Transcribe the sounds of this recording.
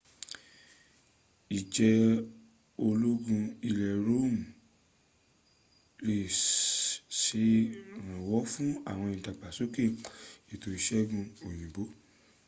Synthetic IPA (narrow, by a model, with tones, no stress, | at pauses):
i˨d͡ʒɛ˧ | o˧lo˦ɡũ˧i˧lɛ˨ɾo˦˨m˨ | ɾe˨ | se˨˧˦ɾ̃ã˨wɔ˨˦fũ˦a̰˦˨w̃ɔ̃˧ĩ˨ta˨k͡pa˨so˦ke˦˨i˨to˧i˧ʃɛ˦ɡũ˧o˨j̃ĩ˨bo˨˦